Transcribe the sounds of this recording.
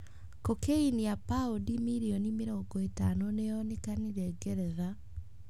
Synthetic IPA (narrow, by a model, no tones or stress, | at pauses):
kokeiniapaodimiɾionimeɾɔŋɡɔetanoneɔnikaniɾɛɡɛɾɛða